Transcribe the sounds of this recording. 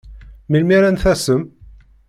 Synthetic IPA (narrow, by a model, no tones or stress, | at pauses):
milmiɾænθæsəm